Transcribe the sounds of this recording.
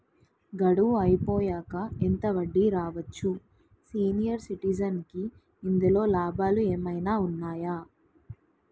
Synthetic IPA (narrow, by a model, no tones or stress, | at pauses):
ɡɐɽuʋuɐjpoːjaːkɐent̪ɐʋɐɖːiɾaːʋɐt͡ʃːu | siːnijɐɾsiʈid͡ʒɐnkiː | nd̪ulo̞ːlaːbaːlueːmɐjnaːunːaːjaː